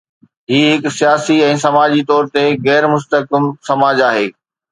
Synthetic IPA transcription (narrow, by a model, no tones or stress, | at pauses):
ɦiːɦɪksijaːsiɛ̃ːsɐmaːd͡ʑit̪ɔːɾt̪eɣɛːɾmʊst̪əkɪmsɐmaːd͡ʑaːɦeː